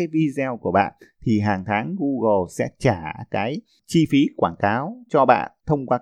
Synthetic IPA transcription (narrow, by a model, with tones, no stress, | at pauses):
a˨˦jvi˧zɛ˧wku˧˩əɓa̰ː˧˨nt̪ʰi˨˩ɦaː˨˩ŋt̪ʰaː˨˦ŋɣu˧ɣo˨˩sɛ̰˧˥t͡ɕaː˧˩kaː˨˦j | t͡ɕi˧fi˨˦kwaː˧˩nkaː˨˦wt͡ɕɔ˧ɓa̰ː˧˨nt̪ʰə˧wŋ͡mkwaː˦